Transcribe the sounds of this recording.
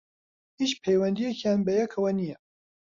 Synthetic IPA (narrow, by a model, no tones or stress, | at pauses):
hit͡ʃpʰɛjwɛnd̪ijɛkjaːnbɐjɛkʰɐwɐnijɛ